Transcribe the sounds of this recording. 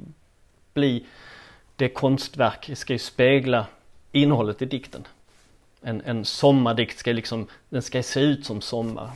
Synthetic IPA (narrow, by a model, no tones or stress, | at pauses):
b̥liː | d̪̥ɛkʰɔnst̪væɾkskajɵspeːɡla | ɪnːəhɔlːət̪ɪd̪ɪkt̪ən | ɛnɛnsɔmːaɖɪkt̪skalɪksɔmd̪ɛnskaseːʉ̟ːt̪sɔmsɔmːa̰ɾ